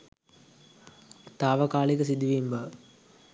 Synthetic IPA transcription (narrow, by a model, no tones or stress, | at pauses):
t̪aːʋɐkaːɭikəsid̪iʋimbə